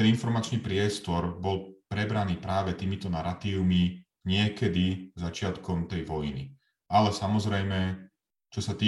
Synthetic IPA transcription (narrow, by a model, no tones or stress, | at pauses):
ɛninfɔɾmat͡ʃniːpɾɪɛst̪ɔɾbɔlpɾɛbɾaniːpɾaːʋɛt̪iːmit̪ɔnaɾat̪iːʊmi | ɲɪɛkɛd̪izat͡ʃɪat̪kɔmt̪ɛjʋɔjinḭ | alɛsamɔzɾɛjmɛ | t͡ʃɔsat̪iː